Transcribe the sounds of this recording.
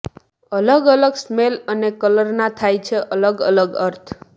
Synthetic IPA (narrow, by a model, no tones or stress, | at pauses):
ələɡələɡsmelənekələɾnat̪ʰajt͡ʃʰeʔələɡə̰ləɡəɾt̪ʰ